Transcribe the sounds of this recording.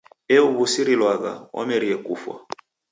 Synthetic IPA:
ɛuβusiɾilwaɣa̰wʔɔ̰mɛɾiɛkufwa̰

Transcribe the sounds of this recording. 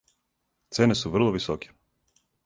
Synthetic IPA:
t̪sɛnɛsuvr̩lˠɔvisɔkʲi̥

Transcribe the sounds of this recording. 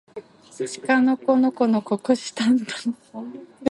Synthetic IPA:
t͡ɕi̥kanoko̞nokonokokoɕi̥t̪ãnt̪o̥n

